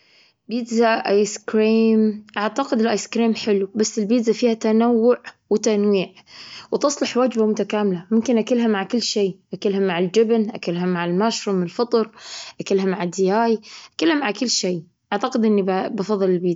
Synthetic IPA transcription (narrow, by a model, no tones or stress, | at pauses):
bid̪zaʔajskɾiːmʔaʕt̪aqɪd̪ɪlʔajskɾiːmħɪlubasːɪlbiːd̪zafiːhat̪anawːʊʕ | wɪt̪anwiːʕwt̪ɨsˤlɑħwaːd͡ʒbamʊt̪akaːmɪlamʊmkɪnʔakɪlɦamːaʕkɪlːʃeːʔakɪlhamːaʕɪld͡ʒɪbnʔakɪlɦamːaʕalmaːʃɾumlfɑt̪ˤɾʔakɪlɦamːaʕad̪ːɪjaːjʔakalhamʕaʕkɪlːʃeː | ʔaʕt̪aqɪd̪ʔɪnːibɑfɑðˤːɨlɪlbiːd̪